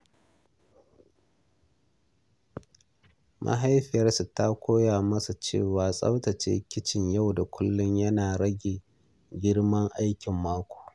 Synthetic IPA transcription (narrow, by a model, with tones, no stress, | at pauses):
mʔa̰˦ɦa˦jɸɪ˨jɐ˦rsu˨ta˦kʷʰoː˦jaː˨mɐ˦sa˨t͡ʃḛː˦˨waː˨sʼɐ̰˦wtɐ˨t͡ʃḛː˦kʲɪ˦t͡ʃɪ˨ɲja˦˨wda˨kʷʊ˦lːʊ˦ɲjɐ˦naː˨ɽɐ˦ɡʲeː˨ | ɡʲɪ˦ɽmɐ˦ŋʔa˦jkʲɪ˨mːaː˦kʷo̥ː˨